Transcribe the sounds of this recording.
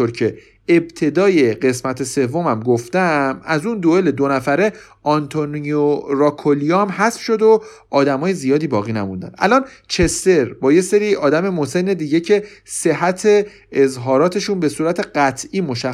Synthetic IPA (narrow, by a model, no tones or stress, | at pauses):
oɾcʰe̞ | eb̚t̪ʰe̞d̪ɒːje̞ɢe̞smæt̪ʰe̞se̞vːo̞mæmɡoft̪æmæzund̪oeled̪onæfæɾe̞ | ʔɒnt̪ʰonioɾɒːkʰolijomɦæsfʃo̞d̪o̞ | ʔɒːd̪æmɒːje̞zijɒːd̪iːbɒːɣiːnæmund̪æ̰nʔæ̰lɒːn | t͡ʃʰe̞st̪e̞ɾbɒːje̞se̞ɾiːɒːd̪æme̞mose̞nːe̞d̪iːɟe̞cʰe̞se̞ɦæt̪ʰe̞ː | zɦɒːɾɒːt̪ʰe̞ʃunbe̞suːɾæt̪ʰe̞ɢæt̪ʰiːmoʃæ